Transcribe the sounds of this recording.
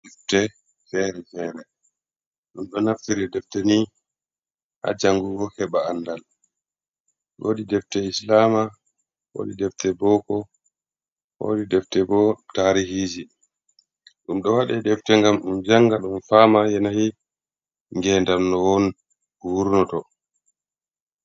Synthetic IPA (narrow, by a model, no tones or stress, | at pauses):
dɛftɛ | fɛɾɛfɛːɾɛ | ɗumɗɔnaftiɾɛdɛftɛni | ha̰d͡ʒaŋɡuɡɔhɛɓaːnːdal | ɗoːdidɛftɛislaːma | wo̰ːdidɛftɛbɔkɔ | wo̰didɛftɛbɔtaːɾihiːd͡ʒi | ɗumɗɔwaɗɛdɛftɛŋɡamɗumd͡ʒaŋɡaɗumfamajɛnahi | ŋɡɛndamnɔwɔn | wuɾnɔtɔ